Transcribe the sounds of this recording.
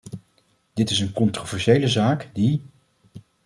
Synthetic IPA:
d̥ɪtɪsənkɔntrovɛɹʃejləzaːkdi

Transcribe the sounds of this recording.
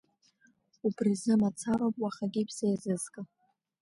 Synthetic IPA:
ubrizɨmat͡sʰaropʼwaχaɡʲipʰsejzɨzkʼa

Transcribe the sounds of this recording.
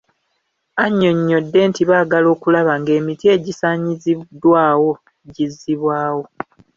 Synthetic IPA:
aɲːo̞ɲːo̞dːe̞ːntiβaːɡalo̞ːkulaβaŋɡe̞ːmitie̞ɟisaːɲizidwaːwo̞ | ɟizːiβwaːwo̞

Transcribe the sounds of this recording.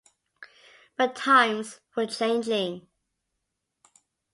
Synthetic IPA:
b̥ətʰãɪ̃mz̥wə˞t͡ʃʰẽɪ̃nd͡ʒɪ̃ŋ

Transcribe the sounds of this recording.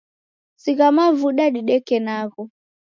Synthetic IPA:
siɣamavuɗaɗiɗɛkɛnaɣɔ

